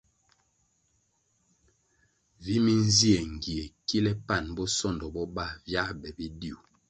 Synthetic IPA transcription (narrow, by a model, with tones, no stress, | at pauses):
vi˦mi˦n˦zi˦e˨ŋ˨ɡi˨e˨ki˦lɛ˦pa˦˨nbɔ˦sɔ˦˨ndɔ˨bɔ˦ba˦˨vja˦bɛ˨bi˦di˦u˨